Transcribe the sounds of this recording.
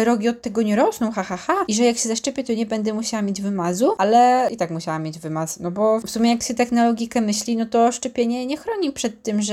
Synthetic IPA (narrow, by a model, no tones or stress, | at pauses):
ɾɔɡʲiɔt̪ːɛɡɔɲɛɾɔsnɔ̃w̃xaxaxaiʐɛjakɕɛzaʂt͡ʂɛpʲjɛt̪ɔɲɛbɛnd̪ɛmuɕawamʲjed͡ʑvɘmazualɛit̪akmuɕawamʲjed͡ʑvɘmasnɔbɔfsumʲjɛjakɕɛt̪ɛxnɔlɔɡʲikɛmɘɕlʲinɔt̪ɔʂt͡ʂɛpʲjeɲɛɲɛxɾɔɲipʂɛt̪ːɘmʐ